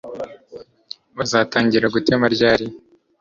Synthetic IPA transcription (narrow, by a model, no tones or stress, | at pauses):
βazaːtaːɲɟiɾaɡutemaɾɟaːɾi